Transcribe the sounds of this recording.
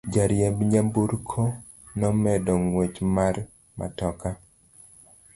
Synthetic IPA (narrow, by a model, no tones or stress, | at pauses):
d͡ʒaɾjɛmbɲabuɾkʰo | nɔmɛdɔŋwet͡ʃmar | ma̰tɔka